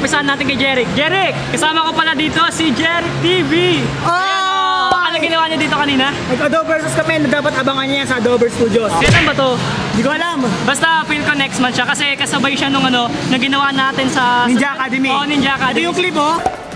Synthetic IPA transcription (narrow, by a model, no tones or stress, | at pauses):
pɪsaːɐnːaːt̪ɪnkɐjd͡ʒɛɾɪk̚d͡ʒɛːɾɪk̚ːɐsaːmɐko̞pɐlɐd̪iːt̪o̞sɪd͡ʒɛɾɪk̚t̪iːviʔo | ʔɐnoɡɪnɐwaɲɐd̪iːt̪o̞kɐniːnɐmɐɡɐd̪oːbɛɹskɐmɛnɐd̪aːpɐt̪ɐbaŋɐnɐjɐnsɐʔɐd̪oːbɛɹst̪uːd̪josɐlɐmbɐt̪o | d̪ikoʔɐlambɐst̪ɐfilkonɛk̚smɐnʃakɐsɛkɐsɐbɐjʃanʊŋɐno̞nɐɡɪnɐwaʔnaːt̪ɛnsɐɪd͡ʒaɐkaːd̪ɛmioʔnɪnd͡ʒaʔɐkadd̪ijʊŋklɪbo